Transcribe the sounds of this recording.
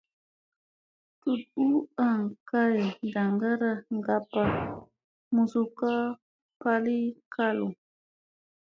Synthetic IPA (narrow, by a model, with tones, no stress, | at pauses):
t̪u˨tu˦aŋka˦jda˨ŋɡa˦ɾaŋɡa˦pa˨ | mu˨suka˦ | pali˦kʰalu˨